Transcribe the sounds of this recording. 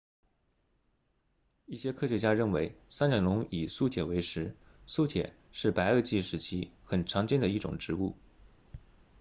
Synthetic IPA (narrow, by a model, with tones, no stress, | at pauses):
i˥˩ɕjɛ˥kʰɤ˥˩ɕɥɛ˧˥t͡ɕja˥ɻə˥˩nwe˧˥ɪsa˥nɑ˨˩lʊ˧˥ŋi˨˩su˥˧t̪ʰjɛ˨˩we˧˥ɪʂɻ̩˧˥ | su˥˧t̪ʰjɛ̰˨˩ | ʂɻ̩˥˩pa˧˥ɪə˞˥˧t͡ɕi˥˩ʂɻ̩˧˥t͡ɕʰi˥xə˨˩nʈ͡ʂʰɑ˧˥ŋt͡ɕjɛ˥nd̪ə˩i˥˩ʈ͡ʂʊ̰˨˩ŋʈ͡ʂɻ̩˧˥u˥˩